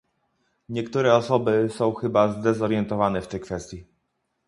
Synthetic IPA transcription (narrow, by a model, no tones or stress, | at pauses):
ɲɛkt̪uɾɛɔsɔbɘsɔ̃w̃xɘbazd̪ɛzɔɾjɛnt̪ɔvanɛft̪ɛjkfɛst̪ʲji